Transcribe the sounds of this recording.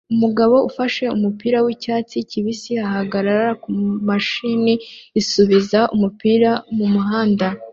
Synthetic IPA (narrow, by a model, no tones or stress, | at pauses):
umuɡaβo̞ufaʃe̞umupiːɾawicaːt͡siciβisiahaɡaɾaɾɾakumaʃiniisuβizaʔumupiːɾamumuɦaːnda